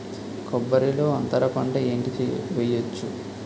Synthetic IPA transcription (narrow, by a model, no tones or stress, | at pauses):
kɔbːɐɾilo̞ːɐnt̪ɐɾɐpɐɳɖɐe̞ːɳʈikiʋejɐt͡ʃːu